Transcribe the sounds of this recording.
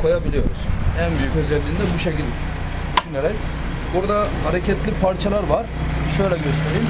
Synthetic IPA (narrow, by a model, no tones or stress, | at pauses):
kʰo̞jabilʲijo̞ɾuz̥ænbyjycø̞zɛlʲːiːnd̪ɛbuʃecilʲ | d̪yʃyneɾɛc | buɾad̪ahaɾecʰɛt̪lʲipʰaɾt͡ʃʰalˠaɾvaɾ̥ʃø̞jlʲɛɟø̞st̪ʰe̞ɾijim